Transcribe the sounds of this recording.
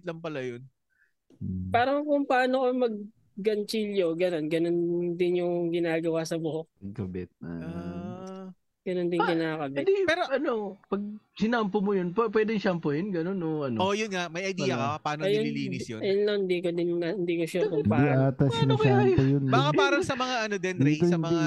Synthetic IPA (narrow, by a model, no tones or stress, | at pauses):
ɪt̪lɐŋpɐlɐjon | paːɾɐŋkʊŋpaːnokomɐɡ̚ː | ɐnt͡ʃiljoɡɐno̞nɡɐno̞nd̪ɪnjʊŋɡɪnaːɡɐwasɐbʊhok̚mɐɡ̚kɐbɪt̪̚a | ɡ̥ɐnond̪ɪnkɪnaːkɐbɪtd̪ɛpɛːɾoɐno̞pɐɡ̚sɪnampomojonppwɛːd̪ɪŋʃampojonɡɐno̞noʔɐnoojʊnŋaʔmɐjʔɐjd̪ːjɐkɐɐpaːnoɐjɪʊmiliːɪsjonjʊnlɐŋhɪnd̪iːkod̪ɪnɐɪnd̪iːkoʃakʊpad̪iʔaːt̪ɐsnampojonbaːkaaːɾɐsɐmɐŋaʔɐnod̪ɛnd̪ɾɛt̪osɐmɐ